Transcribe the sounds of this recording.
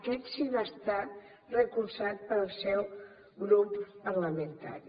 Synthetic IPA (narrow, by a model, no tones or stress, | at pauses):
kɛt̪sinəst̪a | rəkuɾsat̪̚pəlˠsɛw | ɣɾuppəɾləmənt̪a̰ɾi